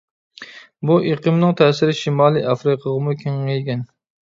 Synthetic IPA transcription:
buʔeqʰɨmnɨŋt̪ʰɛːsɪɾɪʃimɑːlˠiʔɑfɾɨqʰəʁɨmukʲʰeŋːɛjɡʲɛn

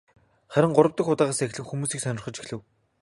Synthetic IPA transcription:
χæɾʲɪ̆ŋɢʊɾə̆wt̪ə̆xʊt̪aːʁaːsex̆ɮɘ̆kxumuːsiːksœnʲɪ̆rχɞ̆t͡ɕixɮɘ̆w

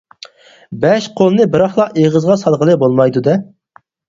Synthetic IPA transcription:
bɛʃqʰolˠɨnɨbɨɾɑχlˠɑqeʁəzʁɑsɑlˠʁəlˠɨbolˠmɑjd̪ud̪ɛ

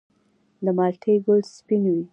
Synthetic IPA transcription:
d̪əmɑlʈʰeɡʊlspinwi

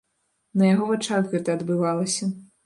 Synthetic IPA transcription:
nɐjaɣɔvat͡ʂaɣɣɛt̪ɐːd̪bɨvalˠɐsʲɐ

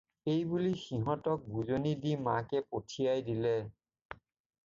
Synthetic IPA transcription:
ejbulixiɦɔtɔk̚bʱuzonidima̰kɛpotʰijajdilɛ

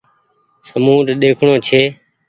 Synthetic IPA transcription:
səmuːɾɗ̪eːkʰɳoːt͡ʃʰeː

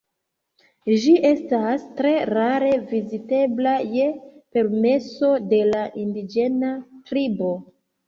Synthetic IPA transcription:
ʒiʔe̞stastɾe̞ɾaɾe̞vizite̞blaje̞pe̞ɾme̞so̞de̞laʔindid͡ʒe̞natɾibo̞

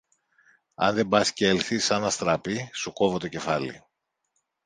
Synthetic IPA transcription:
ɐ̰nðe̞bɐsceelθisɐnɐst̪ɾɐpisuko̞vo̞t̪oce̞fɐlḭ

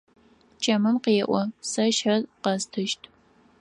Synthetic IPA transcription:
t͡ʃʰʼɐmɨmqeːʔʷɔsɐʃħɐrqɐstʰɨʃtʰ

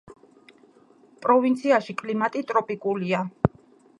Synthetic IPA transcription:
pʼɾɔvint̪sʰiaʃikʼlimat̪ʼit̪ʼɾɔpʼikʼulia

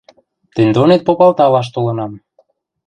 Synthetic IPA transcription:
t̪ə̆nʲd̪onet̪̚popɑlt̪ɑlɑʃ̬t̪olɤ̆nɑm

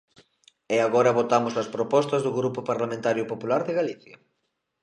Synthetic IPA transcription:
ɛaɣɔɾɐβot̪amʊsɐspɾopɔst̪ɐzðʊɣɾupʊpaɾlamẽnt̪aɾjʊpopulaɾðɪɣaliθjɐ

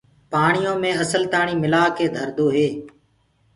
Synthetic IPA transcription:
paːɳɪjõːmẽːəsəlt̪aːɳ̃iːmɪlaːkeːd̪ʱəɾd̪oːɦeː

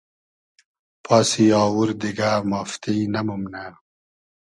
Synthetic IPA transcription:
pʰaːsiɑːwuɾd̪iɡamaːft̪ijnamumna

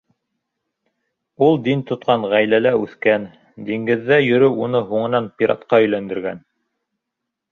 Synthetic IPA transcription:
ulˠd̪int̪ŏt̪qɑɴʁæjlælæʉθkæn | d̪iŋɡɘ̆ðːæjɵ̆ɾɘunɤɦuɴɤ̆nɑnpʲiɾɑ̰t̪qɑɵ̆jlænd̪ɘ̆ɾɡæ̰n

